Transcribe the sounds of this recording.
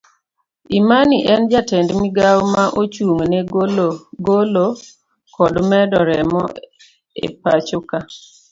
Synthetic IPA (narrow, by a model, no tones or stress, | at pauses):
imaniʔɛnd͡ʒatɛndmiɡawmaʔot͡ʃuŋnɛ | ɡolo | kɔdmɛdɔɾɛmɔ̰ | ḛpat͡ʃoka